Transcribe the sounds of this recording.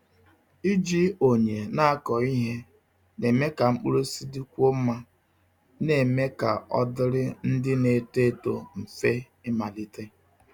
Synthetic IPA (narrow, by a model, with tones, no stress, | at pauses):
i˦d͡ʒi˦o˨ɲe˨na˦a˦kɔ˨i˦ɦe˦ | ne˨me˦ka˨ŋ͡m̩˦k͡pu˦ɾo˦si˦di˦kʷo˦m̩˦ma˦ | ne˨me˦ka˨ɔ̰˦dɪ˦ɾɪ˦n̩˦dɪ˦ne˨te˦to̰˨m̩˨fe˦ | ɪ˦ma˨li˦te˦